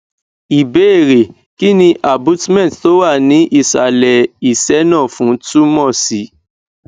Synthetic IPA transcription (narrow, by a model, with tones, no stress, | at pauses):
i˨be˨˦e˦˨ɾe˨ | ki˦nĩ˧˦ʔa˨bũ˨˦tmɛ̃˦˨tto˨˦wa˦˨nĩ˨˦ʔi˦˨sa̰˨lɛ˨i˨sɛ˨˦nã˦˨fũ˨˦tu˦mɔ̃˦˨si˨˦